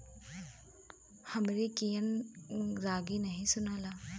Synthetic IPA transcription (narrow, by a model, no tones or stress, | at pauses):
hɐmɾikijən | ɾaɡinɐɦĩsʊnala